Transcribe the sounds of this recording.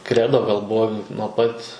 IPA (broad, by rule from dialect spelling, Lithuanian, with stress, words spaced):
ˈkrʲæːdoː ɡɐlˠ ˈbʊʋoː nuɔ ˈpɐt